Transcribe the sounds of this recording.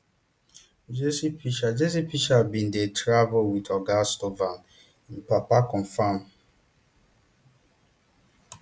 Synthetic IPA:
d͡ʒesipiʃad͡ʒes̬ipiʃabĩndetɾavolwitɔɡastovan | ĩn̩papakɔ̃ɱfãm

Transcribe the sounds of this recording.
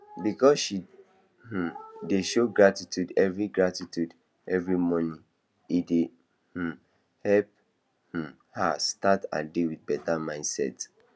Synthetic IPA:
bikɔsʃi | h̩deʃoɡɹatitudɛvɹiɡɹatitud | ɛvɹimɔnĩ | ide | h̩ | hɛlp̚ | h̩ | hastata̰dewid̚bɛtamãɪ̃ndsɛ̰t

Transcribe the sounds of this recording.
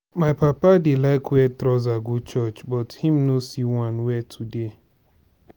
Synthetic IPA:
majpapadɪlaɪkwɛtɾɔzaɡut͡ʃɔt͡ʃbɔthĩmnosiwãnwɛtʰude

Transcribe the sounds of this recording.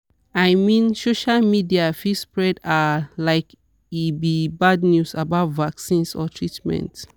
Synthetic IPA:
ajmĩnsoʃalmidiafispɹɛdalaɪk | ibibadnjusabaʊtvaksĩnsɔ̰tʰɹitmɛ̰̃nt

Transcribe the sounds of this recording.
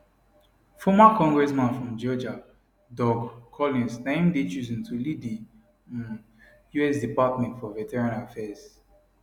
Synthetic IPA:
fɔmakɔ̃ŋɡɹɛsmãnfɹɔ̃md͡ʒɔd͡ʒa | dɔɡkʰɔlĩnsnẽɪ̃mdet͡ʃuzĩntʰulidĩ | n | juɛsdipatmɛ̃ntfɔvɛtɛɹĩnafɛz

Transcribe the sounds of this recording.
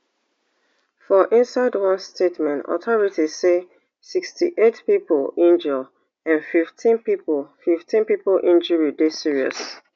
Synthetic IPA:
fɔʔĩnsaɪdwʌ̃nstʰetmɛ̃ntɔ̰tʰɔɹitise | sikstḭʔetpipolĩnd͡ʒɔ | ãnfiftʰĩnpipofiftĩnpipolʔĩnd͡ʒuɹidesiɹiɔ̰s

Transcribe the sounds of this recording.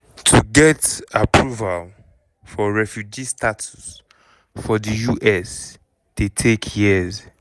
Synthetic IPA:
tʰuɡɛtapʰɹuval | fɔɹɛfjud͡ʒistʰatʰus | fɔdəjuʔɛs | tetʰekʰjiz

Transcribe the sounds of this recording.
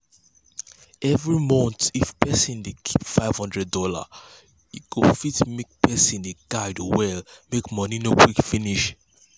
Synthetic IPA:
ɛvɹimɔ̃nt̪ifpɛsĩndekʰi̥pfaɪv̥hɔ̃ndɹɛdɔla̰ | ikʰofitmek̚pɛsĩndeɡaɪdowɛlmekmɔninokʰwikfiniʃ

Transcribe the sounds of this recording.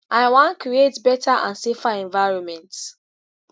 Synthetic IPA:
ʔaɪwãnkɾietbɛtaʔã̰nsefaɛ̃nvaɪɹɔ̃nmɛ̃nt

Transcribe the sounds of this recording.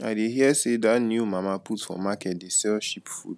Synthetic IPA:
a̰ɪdeɦjɛsedatnjumamaputfɔ̰makɛt̚dɪsɛʃipfṵd

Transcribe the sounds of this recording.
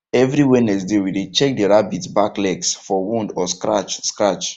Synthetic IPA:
ɛvɾiwɛnɛs̬dewidet͡ʃɛk̚dəɹabitbaklɛɡsfɔwũndɔskɹa̰t͡ʃskɹat͡ʃ

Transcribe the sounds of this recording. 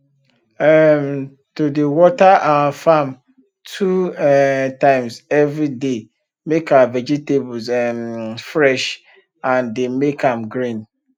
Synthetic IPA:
ɛm | tʰudewɔtaʔaafãm | tʰuɛtʰãɪ̃msɛvɾide | mekʰavɛd͡ʒitebsɛmfɾɛʃ | ãndemekʰãmɡɾĩn

